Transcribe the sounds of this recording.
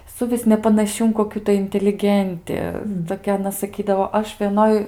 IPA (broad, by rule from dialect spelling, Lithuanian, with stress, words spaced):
sʊˈʋʲɪs nʲɛpɐnɐˈʃʲɪ ɪn koːˈkʲuː tɐɪ ɪnʲtʲɛlʲɪˈɡʲɛnʲtʲɪ toːˈkʲɛ ɐˈnɐ sɐˈkʲiːdɐʋoː ˈɐʃ ʋʲiɛˈnoːj